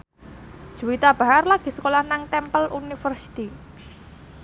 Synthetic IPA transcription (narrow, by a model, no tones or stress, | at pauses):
d̥ʒ̥ṳwit̪ab̥a̤ɦarlaɡ̥i̤sə̥kolahnaŋt̪ɛmpəlʔunifərsi̥t̪i